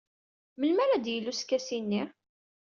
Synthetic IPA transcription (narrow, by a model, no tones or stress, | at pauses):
məlmæɾæd̪jəlːuskːæsinːi